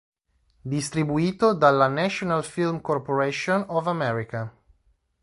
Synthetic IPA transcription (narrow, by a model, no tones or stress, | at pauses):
d̪ist̪ɾibuiːt̪od̪alːanɛʃonalfilmkorpoɾeʃonɔvamɛɾika